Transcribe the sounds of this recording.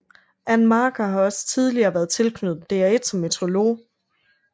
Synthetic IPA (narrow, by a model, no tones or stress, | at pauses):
ʔænmɑ̈ːɡ̥ʰɐɦɑ̈ɒ̽sə̥t͡sʰið̞ˠliɐːʋæːɐðˠt͡sʰe̝lkʰnød̥̩ˠd̥e̝æɐe̝d̥sɒ̽mːet͡sʰʁo̝lo̝̰ː